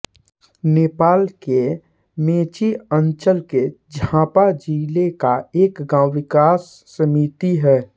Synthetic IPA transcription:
neːpaːlke | mẽːt͡ʃiənt͡ʃəlked͡ʒʱãːpad͡ʒiːlekaeːkɡãːwʋɪkaːsːəmiːt̪iɦɛː

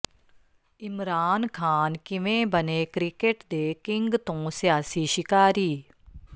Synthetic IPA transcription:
ɪmɾaːnkʰaːnkɪʋẽːbənekɾɪkeʈd̪eːkɪ̃ŋɡt̪õːsijaːsiʃɪkaːɾiː

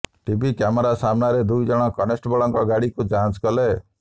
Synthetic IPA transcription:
ʈibikamɔɾasamnaɾed̪ujd͡ʒɔɽ̃ɔkɔnesʈbɔɭɔŋkɔɡaɽikud͡ʒant͡ʃkɔle

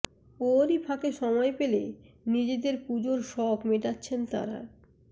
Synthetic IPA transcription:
oɾipʰakeʃɔmɔepelḛ | nid͡ʑed̪eɾpud͡ʑoɾʃɔbmeʈatːɕʰent̪a̰ɾa̰

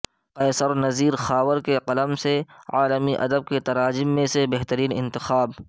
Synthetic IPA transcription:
qɐːsəɾnɐziːɾxaːwəɾkeqɐləmseaːləmiʔɐ̰d̪əb̚ket̪ɐɾaːd͡ʒɪmːẽsebɛɦt̪əɾiːnɪ̰̃nt̪ɪxaːb

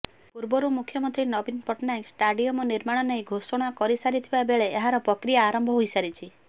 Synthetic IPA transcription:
puɾbɔɾumukʰjɔmɔnt̪ɾinɔbinpɔʈnaeksʈaɖiɔmɔniɾmaɽ̃ɔnejɡʱosɔɽ̃ɔkɔɾisaɾit̪ʰibabeɭeeɦaɾɔpɾɔkɾijaːɾɔmbʱɔɦojsaɾit͡ʃʰi

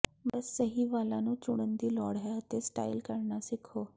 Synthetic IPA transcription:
bəsːəɦiːʋalanũːt͡suɽənd̪iːlɔɽɦaət̪esʈa̰ilkəɾɳasikʰo

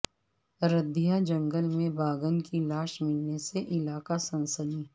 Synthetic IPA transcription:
ɾəd̪ʱijad͡ʒɐ̃ŋɡəlmẽbaːɡənkilaːʃmɪlneseʔɪlaːkasɐ̃nsəd̪iː

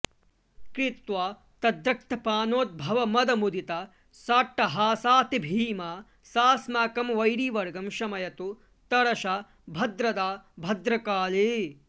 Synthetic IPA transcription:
kɾit̪ʋaː | t̪ɐd̪ɾɐk̚t̪ʰɐpaːnoːt̪̚bʱɐʋɐmɐd̪ɐmud̪it̪ɐ | saːʈːɐɦaːsaːt̪ibʱiːmaː | saːsmaːkɐmʋɐjɾiːʋɐɾɡɐmʃɐmɐjɐt̪u | t̪ɐɾɐʃa | bʱɐd̪ɾɐd̪aːbʱɐd̪ɾɐkaːleː

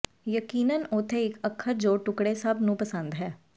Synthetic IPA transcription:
jəkiːnənʊt̪ʰeɪkəkʰːəɾd͡ʒoːʈʊkɽesəbnũːpəsə̃nd̪ɦɛː

